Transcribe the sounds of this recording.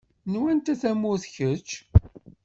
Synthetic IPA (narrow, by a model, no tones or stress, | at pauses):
nwænt̪æθæmːʊθçət͡ʃː